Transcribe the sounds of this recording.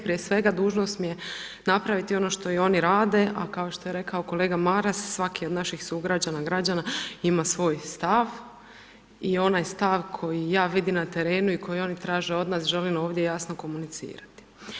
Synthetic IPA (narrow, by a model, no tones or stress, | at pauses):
pɾijesʋe̞ɡad̪uːʒnost̪mije | napɾaʋit̪io̞no̞ʃt̪o̞io̞niɾaːd̪e̞ʔa̰kao̞ʃt̪o̞je̞ɾe̞kao̞ko̞le̞ːɡamaɾasːʋakiod̪naʃixsuɡɾad͡ʑanaɡɾad͡ʑanaimasʋo̞ːjst̪aʋ | io̞najst̪aʋkʰo̞jijaːʋid̪imnat̪e̞ɾe̞ːnuiko̞jio̞nit̪ɾaːʒeo̞d̪naːsʒe̞limo̞ːʋd̪je̞jasnoko̞munit̪sḭːɾat̪i̥